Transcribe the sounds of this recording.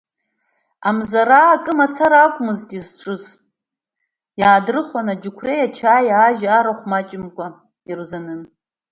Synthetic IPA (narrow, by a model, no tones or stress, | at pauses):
amzaɾaːkʼɨmat͡sʰaɾakʷʼmɨztʼizʈ͡ʂʼɨz | jaːdrɨχwanad͡ʒukʷʰrejat͡ʃʰaːjaːʒaːɾaχʷmat͡ʃʼɪmkʷʼa | irzanɨn